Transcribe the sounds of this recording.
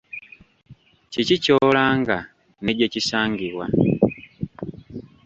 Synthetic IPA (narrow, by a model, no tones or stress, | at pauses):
cicico̞ːlaːŋɡa | ne̞ɟecisaːŋɡiɾwa̰